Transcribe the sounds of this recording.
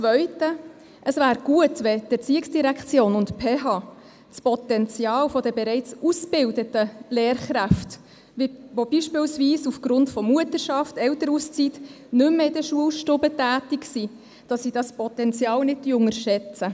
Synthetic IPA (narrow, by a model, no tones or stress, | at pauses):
t͡sʋœʏtə | ʔəsvæːɾɡ̥uətʋɛd̥ɛt͡siɪksd̥iɾækʰt͡sjoːnʊntpʰeːɦɑ | t͡spɔt̪ɛnt͡sjɑːlfɔd̥ɛbɛɾɛɪt͡susb̥ɪldətəleːɾχɾæft | viʋobiʃpɪːlsviːsufɡ̥ɾʊntfɔmuətəɾʃɑftɛltəɾust͡sit | nʏmːəɪdəʃuəlʃtʊbətæːtiksi | d̥ɑsːid̥ɑspɔtɛnt͡sjɑːlnɪd̚dyʊŋəɾʃɛt͡sə